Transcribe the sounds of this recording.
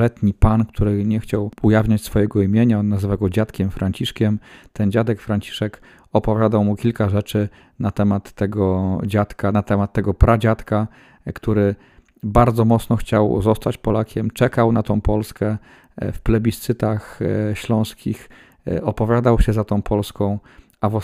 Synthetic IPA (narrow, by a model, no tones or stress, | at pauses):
ɛt̪ɲipankt̪ʰuɾɘɲɛxt͡ɕawujavɲat͡ɕsfɔjɛɡɔimʲjeɲaɔnːazɘvaɡɔd͡ʑat̪kʲɛmfɾaɲt͡ɕiʂkʲɛmt̪ɛnd͡ʑad̪ɛkfɾaɲt͡ɕi̥ʂɛk | ɔpɔvʲjad̪awmukʲilkaʐɛt͡ʂɘ | nat̪ɛmat̪ːɛɡɔd͡ʑat̪kanat̪ɛmat̪ːɛɡɔpɾʔad͡ʑat̪ka | kt̪uɾɘ | baɾd̪zɔmɔt̪snɔxt͡ɕawzɔst̪at͡ɕpɔlakʲɛmt͡ʂɛkawnat̪ɔ̃w̃pɔlskɛ | fplɛbʲist̪sɘt̪axɕlɔ̃w̃skʲix | ɔpɔvʲjad̪awɕɛzat̪ɔ̃w̃pʰɔlskɔ̃w̃ | avɔ